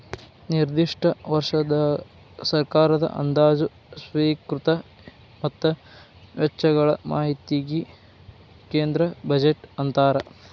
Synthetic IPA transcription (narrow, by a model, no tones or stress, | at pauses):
niɾd̪iʂʈɐʋɐɾʂɐd̪ɐ | sɐɾkaːɾɐd̪ɐ̰ʔɐ̰nd̪aːd͡ʒu | sʋiːkɾut̪ɐ | mɐt̪ːɐ | ʋɛt͡ʃːɐɡɐɭɐ̰maːɦit̪iɡi | keːnd̪ɾɐbɐd͡ʒeʈɐnt̪aːɾɐ